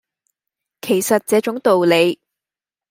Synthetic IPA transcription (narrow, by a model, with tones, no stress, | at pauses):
kʰe˨˩jsɐ˨t̚t͡sɛː˨˧˥t͡ʃʊ˨˥ŋt̪o˨wle˨˧j